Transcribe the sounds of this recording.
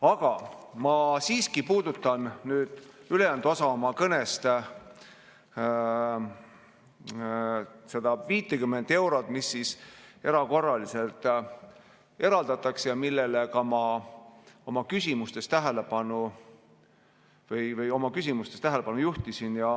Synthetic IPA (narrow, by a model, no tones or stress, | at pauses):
ɑɡ̥ɑmɑsiːskipuːd̪̥ut̪ːˑɑnnyːd̪̥yle̞jænd̪uosɑomɑkɤnest̪ | se̞d̪ɑviːt̪ːekymːend̪e̞wɾo̞t̪ˑmisːise̞ɾɑko̞rːɑlise̞lt̪ˑ | e̞ɾɑld̪ɑt̪ːˑɑksjɑmilːelekɑmɑ | o̞mɑkysʲimust̪e̞st̪æɦele̞pɑnu | vɤjvɤjo̞mɑkysʲimust̪e̞st̪æɦele̞pɑnujuht̪isinjɑ